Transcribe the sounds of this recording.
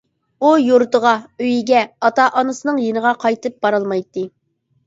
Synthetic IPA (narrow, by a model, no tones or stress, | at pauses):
ujuɾt̪əʁɑøjiɡʲɛɑt̪ɑʔɑnɨsɨnɨŋjenəʁɑqʰɑjt̪ɨp̚b̥ɑɾɑlˠmɑjt̪ːɨ